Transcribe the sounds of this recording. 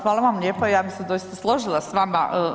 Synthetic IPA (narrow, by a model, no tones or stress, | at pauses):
xʋaːlˠaʋamlʲʎeːpaijaːbixsed̪o̞jist̪aslˠo̞ʒilˠasʋama̰ʔə